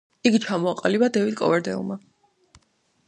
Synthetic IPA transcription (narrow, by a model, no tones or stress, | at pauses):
iɡit͡ʃʰamɔaqʼalibad̪ɛvid̪̚kʼɔ̰vɛɾd̪ɛ̰lˠma